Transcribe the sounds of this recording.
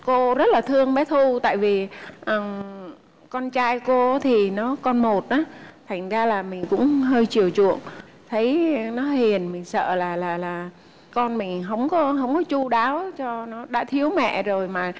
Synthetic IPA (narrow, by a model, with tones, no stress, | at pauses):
ko˧zə˦˥t̚laː˨˩t̪ʰɨ˧əŋɓɛ˨˦t̪ʰu˧t̪a̰ː˧˨jvi˨˩ʔə˨˩ | kɔ˧nt͡ɕaː˧jko˧˨˦t̪ʰi˨˩nɔ˨˦kɔ˧nmo˨˩t̚ʔaː˨˦t̪ʰa˨˩jŋ̟zaː˧laː˨˩mï˨˩ŋ̟kʊ̰˧˥ŋ͡mɦəː˧jt͡ɕi˨˩əwt͡ɕṵ˧˨əŋ | t̪ʰə˨˦jnɔ˨˦hi˨˩ənmï˨˩ŋ̟sə̰ː˧˨laː˨˩laː˨˩laː˨˩ | kɔ˧nmï˨˩ŋ̟ɦə˧˩wŋ͡mkɔ˨˦ɦə˧wŋ͡mkɔ˨˦t͡ɕu˧ɗaː˨˦wt͡ɕɔ˧nɔ˨˦ɗa̰ː˧˥t̪ʰi˨˦əwmɛ̰˧˨zo˨˩jmaː˨˩